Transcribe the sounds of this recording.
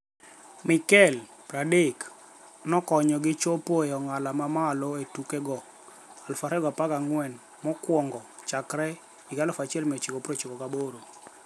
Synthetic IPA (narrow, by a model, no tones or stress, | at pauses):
mɪkɛl | pɾadek | nɔkɔɲɔɡɪt͡ʃopojɔŋalamamalɔetukɛɡɔ | alfaɾɛɡɔapakaŋwɛn | mɔkwɔŋɡɔ | t͡ʃakɾɛ | ɪɡalɔfat͡ʃɪɛlmɛt͡ʃikopɾot͡ʃikɔkaboɾo